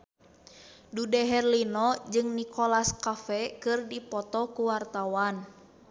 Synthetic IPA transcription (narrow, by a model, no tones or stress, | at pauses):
dudɛɦɛrlinɔd͡ʒɨŋnikɔlaskafɛkɨrdipɔt̪ɔkuwart̪awan